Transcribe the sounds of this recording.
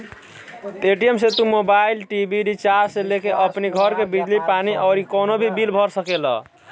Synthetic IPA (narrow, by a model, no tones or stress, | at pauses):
eʈijemset̪umobailʈibʱiɖit͡ʃaɾselekeʔəpniɡʱʌɾkebid͡ʒlipaniʔəʊɾikɔnobʱibilbʱʌɾsəkelʌ̰